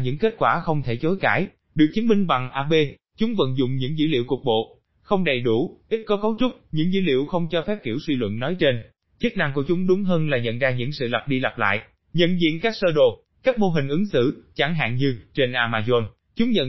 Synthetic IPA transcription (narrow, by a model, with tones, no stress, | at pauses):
ɲɨ̰˧˥ŋke˦˥t̚kwaː˧˩xə˧wŋ͡mt̪ʰe˧˩t͡ɕo˨˦jkaː˧˩j | ɗɨ˨˩ək̚t͡ɕi˨˦nmï˧ŋ̟ɓa˨˩ŋʔaː˧ɓe˧ | t͡ɕʊ˨˦ŋ͡mvə̰˧˨nzʊ̰˨˧˨ŋ͡mɲɨ̰˧˥ŋzɨ̰˧˥lḭ˧˨əwku˨˩ək̚ɓo̰˧˨ | xə˧wŋ͡mɗə˨˩jɗu˧˩ʔi˦˥t̚kɔ˨˦kə˨˦wt͡ɕʊ˦˥k͡p̚ɲɨ̰˧˥ŋzɨ̰˧˥lḭ˧˨əwxə˧wŋ͡mt͡ɕɔ˧fɛ˦˥p̚ki˧˩əwswi˧lwə̰˧˨nːɔ˨˦jt͡ɕe˧n | t͡ɕi˦˥k̚na˧ŋku˧˩ət͡ɕʊ˨˦ŋ͡mɗʊ˨˦ŋ͡mɦəː˧nlaː˨˩ɲə̰˧˨nzaː˧ɲɨ̰˧˥ŋsɨ̰˧˨lə˨˩p̚ɗi˧la˨˩p̚la̰ː˧˨j | ɲə̰˧˨nzḭ˧˨ənkaː˦˥k̚səː˧ɗo˨˩ | kaː˦˥k̚mo˧ɦï˨˩ŋ̟ʔɨ˨˦ŋsɨ̰˧˨t͡ɕa˧˩ŋɦa̰ː˧˨ŋɲɨ˧t͡ɕe˧nʔaː˧maː˧zɔ˧n | t͡ɕʊ˨˦ŋ͡mɲə̰˧˨n